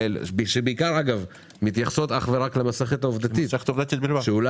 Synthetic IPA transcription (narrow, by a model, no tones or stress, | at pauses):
elbʃebeikaʁaɡav | mit̪jaχsot̪aχveʁaklemase̞χet̪aovd̪at̪isext̪ovd̪at̪it̪bilaʃeula